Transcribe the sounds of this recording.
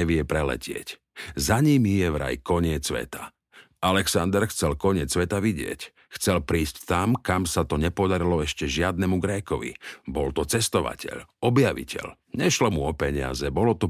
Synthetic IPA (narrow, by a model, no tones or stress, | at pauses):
ɛʋɪɛpɾɛlɛ̰cʰɪɛ̰c | zaɲimijɛʋɾa̰jkɔɲɪɛt͡sːʋɛ̰t̪a | alɛksand̪ɛɾxt͡sɛlkɔɲɪɛt͡sːʋɛt̪aʋiɟɪɛ̰c | xt͡sɛlpɾiːsct̪amkamsat̪ɔɲɛpɔd̪aɾilɔɛʃcɛʒɪad̪̚nɛmuɡɾɛkɔʋḭbɔlt̪ɔt͡sɛst̪ɔʋa̰cɛ̰ʎɔbjaʋḭcʰɛ̰ʎ | ɲɛʃlɔmuɔpɛɲɪa̰zɛbɔlɔt̪ɔ